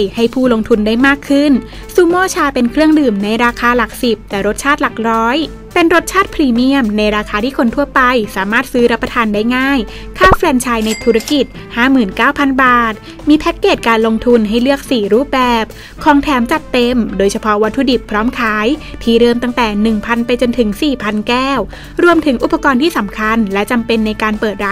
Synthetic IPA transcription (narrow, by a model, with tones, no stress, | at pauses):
ha˥˩jpʰuː˥˩lo˧ŋt̪ʰu˧ndaː˥˩jmaː˥˩kʰːɯ˥˩n | suː˧˩mɔː˥˩t͡ɕʰaː˧pe˧nkʰɾɯ˥˩əŋdɯː˨˩mna˧jɾaː˧kʰaː˧la˨˩k̚si˨˩p̚t̪ɛː˨˩ɾo˦˥t̪̚t͡ɕʰaː˥˩t̪̚la˨˩k̚ɾɔː˦˥j | pe˧nɾo˦˥t̪̚t͡ɕʰaː˥˩t̪̚pʰɾiː˧mi˦˥˩əmna˧jɾaː˧kʰaː˧t̪ʰiː˥˩kʰo˧nt̪ʰu˥˩ɐpa˧jsaː˩˦maː˥˩t̪̚sɯː˦˥ɾa˦˥pːa˧t̪ʰaː˧ndaː˥˩jŋaː˥˩j | kʰaː˥˩fɾɛː˧nt͡ɕʰaː˧jna˧jt̪ʰuː˧˩ɾa˦˥ki˨˩t̪̚ | haː˥˩mɯː˨˩nkaː˥˩wpʰa˧nbaː˨˩t̪̚ | miː˧pʰɛ˦˥t̪̚keː˨˩t̪̚kaː˧nlo˧ŋt̪ʰu˧nɦa˥˩jlɯ˥˩ək̚siː˨˩ɾuː˥˩p̚bɛː˨˩p̚ | kʰɔː˨˧ŋt̪ʰɛː˩˦mt͡ɕa˨˩t̪ːe˧mdoː˧jt͡ɕʰa˧pʰɔ˦˥wa˦˥t̪ʰːu˧di˨˩pʰːɾɔː˦˥mkʰaː˩˦˥jpʰiː˨˧˩ɾɤː˧˩mt̪a˥ŋt̪ɛː˨˩nɯ˨˩ŋpʰa˧npa˧jt͡ɕo˧nt̪ʰɯ˩˦ŋsiː˨˩pʰa˧nkɛː˥˩w | ɾu˧əmt̪ʰɯ˩˦ŋʔu˨˩pːa˧kɔː˧nt̪ʰiː˥˩sa˩˦mkʰa˧nlɛ˦˥ʔt͡ɕa˧mpe˧nːa˧jkaː˧npɤː˨˩t̪̚ɾa˦˥